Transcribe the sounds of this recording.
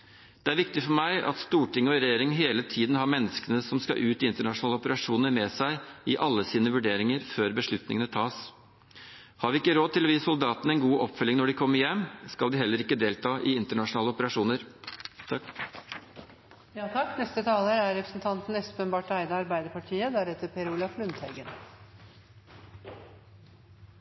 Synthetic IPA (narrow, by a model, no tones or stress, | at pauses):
d̪̥ɛæɾʋɪk̚t̪ɪfɔɾmæɪʔɑ̰t̪st̪uːʈɪŋːəɔɾɛjeːɾɪŋɦeːlət̪ʰiːd̪nɦɑɾmɛnːəskənəsɔmskɑ̰ʔʉːt̪ɪɪnt̪əɳɑʂʊnɑːləɔpəɾɑʂuːnəɾmɛːsæɪɪʔɑlːəsiːnəʋʉɖeːɾɪŋəɾføːɾbəʂɭʉt̪nɪ̰ŋənət̪ʰɑːs | hɑːɾʋɪɪkːəɾoːd̪t̪ɪlɔʋiːsʊld̪ɑːt̪nəɛnɡuːʔɔpfœlːɪŋnɔɖɪkʰɔmːəɾjɛmːskɑld̪ɪhɛlːəɾɪkːəd̪eːlt̪ʰɑːʔɪɪnt̪əɳɑʂʊnɑːləɔpəɾɑʂuːnəɾt̪ʰ | jɑːt̪ʰɑkːnɛst̪ət̪ʰɑːləɾæɾɾɛpɾəsn̩t̪ʰɑnt̪n̩ɛst̪ʉ̥pənbɑːʈɔæɪd̪əɑɾbæɪd̪əɾpɑʈʰiːəd̪æɾɛt̪əpʰɛɾuːlɑflʉnt̪hæ̰ɾɡən